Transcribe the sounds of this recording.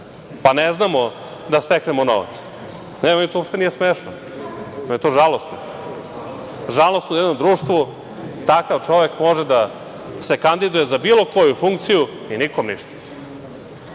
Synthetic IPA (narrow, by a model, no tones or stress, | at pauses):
paneznamo | d̪ast̪eknemono̰ʋa̰t̪s | neit̪oopʃt̪enijesmeːʃno | ojet̪oːʒalˠost̪no | ʒalost̪ujɛd̪nomd̪ɾuːʂt̪ʋu | t̪akaʋt͡ʃo̞ʋe̞kmo̞ʒed̪a | se̞kand̪id̪ujezabiːlo̞ko̞jufuŋk̚t̪siju | inikomniʃt̪ḁ